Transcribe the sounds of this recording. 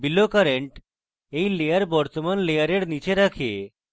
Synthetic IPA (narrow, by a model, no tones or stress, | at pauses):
bilokəɾeɳʈ | eilejəɾbɔɾt̪əmanlejəɾeɽnit͡ɕeɾakʰḛ